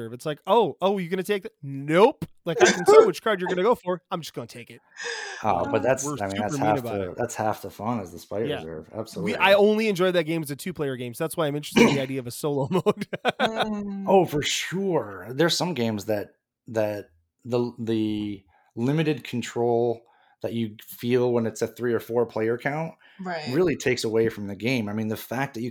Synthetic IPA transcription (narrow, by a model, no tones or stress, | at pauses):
ɜ˞vɨtslaɪkoʊoʊjɨɡʌnɨtʰeɪk̚noʊplaɪk̚ɨkʰntʰeɪwɨt͡ʃkʰɑɹd͡ʒjə˞ɡʌnɨɡoʊfə˞ãɪ̃md͡ʒʌsɡ̥ʌnətʰeɪkɪt̚ʌ̰b̥ʌt̪̚ðætsə˞aɪĩnðæə˞hæiɨbaʊɨðætshæftəfʌ̃nɨzðəspaɪæzɜ̰˞væ̰b̥səlwilaɪõʊ̃nliɨ̃nd͡ʒɔɪd̪̚ðɨt̚ɡẽɪ̃mɨzɨtʰʉpʰl̥eɪə˞ɡẽɪ̃mzðætswaɪãɪmɪ̃nt͡ʃɹ̥ɨstɪŋðiaɪdiɨʌvɨsoʊlˠoʊmoʊd̥ | oʊfə˞ʃʊɹðə˞sʌ̃mɡẽɪ̃mzðɨt̪̚ | ðɨt̪̚ | ðəðɨ | lɪ̃mɨɾɨd̚kʰn̩tʰɹ̥oʊlˠ | ðɨt͡ʃɨfilˠwə̃nɨtsɨθɹiə˞fɔɹpʰl̥eɪə˞kʰãʊ̃nt̚ | ɹɪlˠitʰeɪksəweɪfɹʌ̃mðɨɡẽɪ̃maɪmĩnðɨfæk̚ðɨt͡ʃɨ